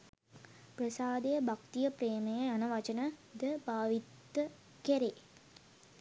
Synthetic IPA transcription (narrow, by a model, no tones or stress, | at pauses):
prəsaːd̪ejəbʱakt̪ijəpreːmɐjɐanɐʋɐt͡ʃɐnəd̪əbʱaːʋit̪ːə | kɛɾe